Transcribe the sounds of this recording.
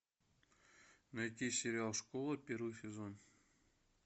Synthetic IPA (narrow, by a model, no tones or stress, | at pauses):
nɐjt̪ʲisʲɪɾʲɪalˠʂkolˠəpʲeɾvɨjsʲɪzon